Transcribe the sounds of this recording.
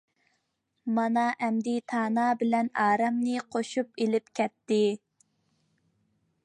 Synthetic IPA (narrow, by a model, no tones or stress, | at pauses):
mɑnɑʔɛmd̪it̪ʰɑːnɑbɪlɛnɑːɾɑmnɨqʰoʃupelɪpkʲʰɛt̪ːɪ